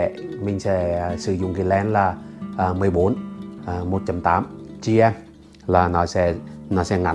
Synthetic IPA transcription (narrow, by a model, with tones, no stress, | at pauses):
mï˨˩ŋ̟sɛ̰˧˥˨sɨ˧˩zʊ̰˨˧˨ŋ͡mki˨˧˩lɛ˧˦nlaː˨˩ʔə˨˩mɨ˨˩əjɓo˨˦nʔəː˨˩mo˨˩t̚t͡ɕa˧mt̪aː˨˦mt͡ɕi˧ʔɛ˧m | laː˨˩nɔ˨˦sɛ̰˧˥nɔ˨˦sɛ̰˧˦ŋa˨˩